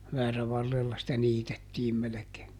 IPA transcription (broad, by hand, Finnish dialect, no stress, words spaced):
ʋæːræʋɑrːelːɑ sĭtæ niːtetːiːm melekeː